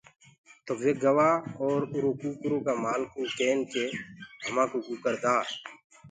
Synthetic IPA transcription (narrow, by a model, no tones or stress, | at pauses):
t̪oʋeɡɐwaɔːɾʊɾokuːkʊɾõkamaːlkukeːnkeɦɐmãːkuɡukəɾd̪aː